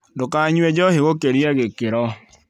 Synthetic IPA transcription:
dokaɲwɛd͡ʒɔheɣokeɾjɛɣekɪɾɔ

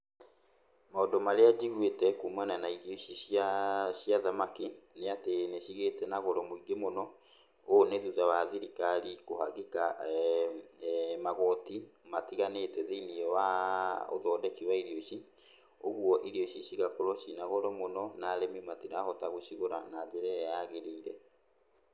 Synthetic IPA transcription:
maɔdɔmaɾead͡ʑiɣwetɛkomwananaiɾioɕiaɕiaðamakineateneɕiɣetɛnaɣɔɾɔmoiɡemonɔ | oneðuðawaðiɾikaɾikoɦaɣika | maɣɔtimatiɣanetɛðeiniɛwao̰ðɔːdɛkiwaiɾioɕi | oɣwɔʔiɾioɕiɕiɣakoɾɔɕinaɣɔɾɔmonɔnaɾemimatiɾahɔtaɣoɕiɣoɾa̰nad͡ʑɛɾɛɾɛjaɣeɾeːɡɛ

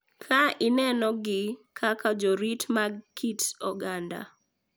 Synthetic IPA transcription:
kʰaɪnɛnɔɡɪkʰakad͡ʒɔɾitmaɡkʰitsɔɡanda̰

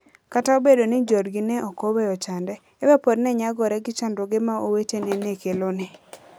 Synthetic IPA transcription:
kataobedonɪd͡ʒɔdɡɪnɛʔɔkowɛɔt͡ʃandɛːwɛpɔdnɛɲaɡɔɾɛɡɪt͡ʃandoɡɪmaowetenenekelonɪ

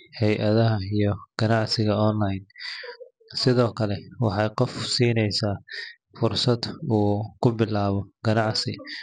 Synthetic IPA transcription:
hɛjʔɐðɐɦɐijɞɡ̥ɐnɑʕsɪɣɐɔnlɐjn | sɪðɔːkʰɐlɛwɑħɑjqɔfsiːnɛjsaː | fʊrsɐd̪uːkʰʊbɪlaːβɔɡ̥ɐnɑʕsɪ

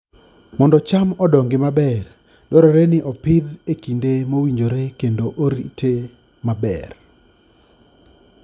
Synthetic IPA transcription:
mɔndɔt͡ʃamɔdɔŋɡɪmabɛr | dɔɾɔɾenɪʔɔpɪd̪ekindemowiɲd͡ʒoɾekendoʔoɾitʰe | mabɛ̰r

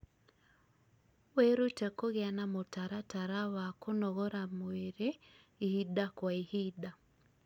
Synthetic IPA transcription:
weɾutɛkoɣeanamotaɾataɾawakonɔɣɔɾamoeɾe | ihidakwaihida

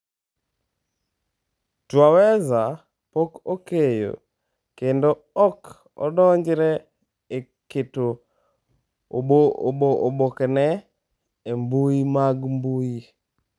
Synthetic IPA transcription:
twawɛza | pokokejo̰ | kendo | ɔk | ɔ̰dɔɲd͡ʒɾɛ | e | kɪto | booobokɛnɛ | embujimaɡmbuji

